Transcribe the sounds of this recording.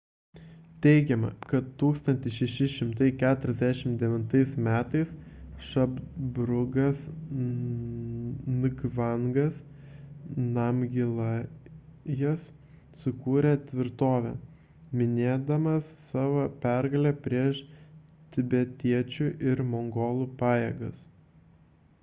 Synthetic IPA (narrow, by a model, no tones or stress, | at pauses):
t̪ʲɛɪɡʲɛmɐ̰kɐt̪t̪ːuːkst̪ɐnʲt̪ʲɪsʃʲɛʃʲɪʃʲɪmt̪ɐɪkʲæːt̪ʊɾʲɛzʲd̪ʲæʃʲɪmd̪ʲɛʋʲɪnt̪ɐɪsmʲæːt̪ɐɪs | ʃɐbbɾʊɡɐs | nʊɡʋɐŋɡɐs | nɐmʲɡʲɪlˠɑ | jɛs | sʊkuːɾʲɛt̪ʲʋʲɪɾt̪oːʋʲɛ̰ | mʲɪnʲeːd̪ɐmɐsːɑːʋoːpʲæɾɡɐlʲɛpʲɾʲiɛʃt̪ʲɪbʲɛt̪ʲiɛt͡ʃʲuʔɪɾmoŋɡoːlˠuːpɑːjeːɡɐs